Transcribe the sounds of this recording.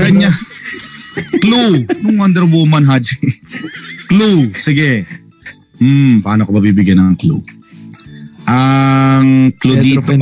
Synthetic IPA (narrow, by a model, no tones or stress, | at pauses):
kɐɲa | klunʊŋwand̪ɛɾwomɐnɦad͡ʒ | klusɪɡɛ | m̩paːnokɐbɐbibɪɡjɐnɐŋklṵ | ʔɐŋklud̪iːt̪